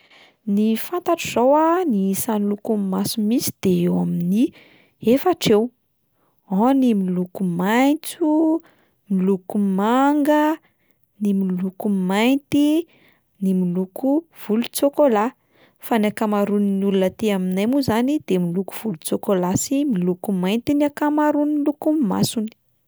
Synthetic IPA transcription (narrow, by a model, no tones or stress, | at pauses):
nifant̪aʈ͡ʂiz̥owanisanlukummasumisi̥d̪̥eewamini | efaʈ͡ʂew | animilukumajt͡su | milukumaŋɡə | nimilukumajnt̪i | nimilukuv̥ulut͡sokola | fanakamaɾuninulunət̪eaminajmuzanid̪̥emiluku̥v̥ulut͡sokolasimilukumajnt̪inakamaɾunimilukumima̰suni̥